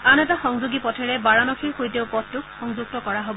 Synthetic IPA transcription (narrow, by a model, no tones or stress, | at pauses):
anɛtaxɔŋzuɡipɔtʰɛɹɛbaɹanɔkʰiɹxojteʊpɔttːʊkɔŋzuɡ̚tɔkɔɹaɦobɔ